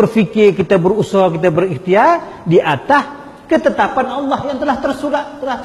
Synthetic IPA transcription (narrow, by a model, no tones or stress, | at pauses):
ərfikɪrkit̪abərusakit̪abəriht̪iar | diʔat̪as | kət̪ət̪apanɑlːɑhjaŋt̪əlaht̪ərsudat̪əlah